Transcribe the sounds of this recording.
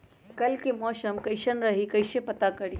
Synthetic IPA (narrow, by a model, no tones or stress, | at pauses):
kɐlkemɔːsəmkɐɪʃənɾɐɦikɐɪʃẽpɐt̪akɐɽi